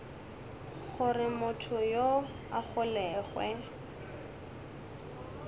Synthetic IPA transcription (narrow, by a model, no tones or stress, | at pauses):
χʊrɪmʊtʰʊjo | aχʊlɛːɣwɛ